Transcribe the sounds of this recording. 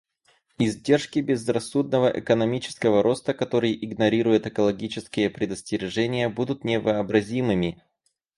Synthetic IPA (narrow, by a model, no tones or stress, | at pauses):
ɪzʲdʲe̞rʂkʲɪbʲɪzrɐsːud̪nəvəʔɛ̰kənɐmʲit͡ɕɪ̥skəvəɾo̞st̪əkɐt̪o̞ɾɨjʔɪɡnɐɾʲiɾʊjɪt̪ɨkəlˠɐɡʲit͡ɕɪskʲɪjəpɾʲɪd̪əsʲtʲɪɾʲɪʐɛnʲɪjəbud̪ʊt̪nʲɪvəɐbɾɐzʲimɨmʲɪ